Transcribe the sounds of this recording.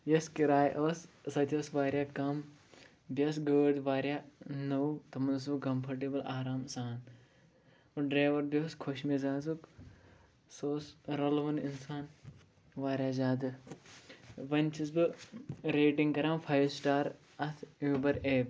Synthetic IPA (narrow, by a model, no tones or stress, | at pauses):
jɐskiɾaːjʔoːssɐt̪ʰʲioːsʋaːɾʲjaːkɐm | bʲɐsɡəːd̪ʋaːɾʲjaːnɐwt̪ɐmɐnɨs̬bɨkɐmpʰɐɾʈ̬ibɨlaːɾaːmsaːn | ɨɖɾeːʋɐɾbioːskʰoʃmizaːzuk | soːsɾɐlʋɐninsaːn | ʋaːɾʲjaːzaːd̪ɨ | ʋɐnʲt͡ʃʰis̬bɨɾeːʈiŋɡkɐɾaːmfʰɐjsʈaːɾ | ɐt̪ʰuːbɐɾeːb